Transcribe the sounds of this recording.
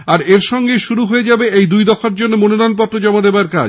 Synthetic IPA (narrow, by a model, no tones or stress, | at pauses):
aɾeɾʃɔŋɡeʃuɾuɦoed͡ʑabeʔejd̪ujd̪ɔfaɾd͡ʑonːomononanp̬ɔt̪ːɾod͡ʑɔmad̪ebaɾka̰